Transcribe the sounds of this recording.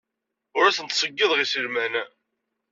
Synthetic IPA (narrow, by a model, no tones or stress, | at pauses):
ʊɾæθənt̪sˤəɡːiðˤʁisəlmænæ